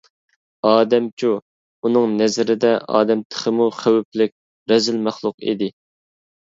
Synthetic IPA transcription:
ɑːd̪ɛmt͡ʃʰu | unɨŋnɛzɾɪd̪ɛʔɑ̰ːd̪ɛmt̪ʰə̥χəmuχæwyplɪk̚ʲ | ɾɛzɪlmæχlˠʊqḭd̪ɪ

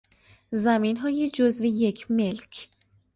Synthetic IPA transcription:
zæmiːnɦɒːjed͡ʒozvejecʰme̞lcʰ

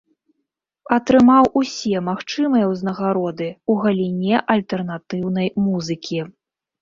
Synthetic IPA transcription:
ɐt̪ɾɨmawusʲɛmaxt͡ʂɨmɨjɐwznɐɣaɾɔd̪ɨuɣɐlʲinʲɛʔɐlʲt̪ɛrnat̪ɨwnɐjmuzɨkʲʰi

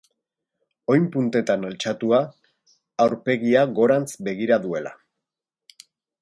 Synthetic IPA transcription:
o̞jmpunt̪e̞t̪analt͡ʃat̪uaː | wɾpe̞ɣiaɣo̞ɾant͡sbe̞ɣiɾaðue̞la̰

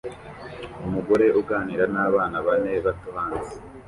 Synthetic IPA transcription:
umuɡo̞ɾe̞ʔuɡaːniːɾanaːβaːnaβaneβatuhaːnzi̥

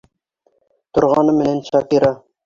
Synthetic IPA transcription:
t̪ŏɾʁɑnɤmɘ̆nænʃɑkiɾɑ

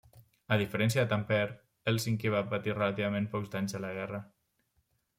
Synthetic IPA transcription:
əðifəɾɛnsjəðət̪ampɛɾ | elˠsiŋkeβapət̪irəlat̪iβ̞amẽnpɔkzd̪aɲzðələɣ̞ɛrə

